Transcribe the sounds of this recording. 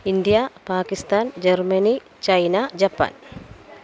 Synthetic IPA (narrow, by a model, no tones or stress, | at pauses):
ind̪ijapaːkist̪aːnd͡ʒɐrmɐni | t͡ʃɐjnad͡ʒɐpːa̰ːn